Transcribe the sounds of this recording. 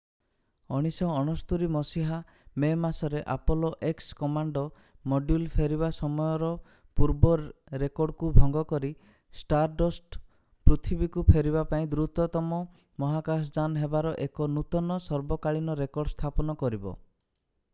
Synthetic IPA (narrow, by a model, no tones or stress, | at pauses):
ɔɽ̃isɔːɽ̃ɔst̪uɾimɔsiɦa | memasɔɾeʔapɔloʔekskɔmaɳɖɔ | moɖjulpʰeɾiβasɔmɔjɔɾɔ | puɾbɔɾekɔɾɖkubʱɔŋɡɔkɔɾi | sʈaɾʈɔsʈ | pɾut̪ʰibikupʰeɾibapaĩd̪uɾut̪ɔt̪ɔmɔ | mɔɦakas̬d͡ʒanɦebaɾɔʔekɔnut̪ɔnɔsɔɾbɔkaɭinɔɾekɔɾɖst̪ʰapɔnɔkɔɾibɔ̰